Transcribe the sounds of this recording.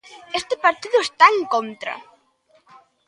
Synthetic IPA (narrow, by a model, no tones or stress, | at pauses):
ɛst̪ɪpaɾt̪iðʊɛst̪aŋkɔnt̪ɾa̰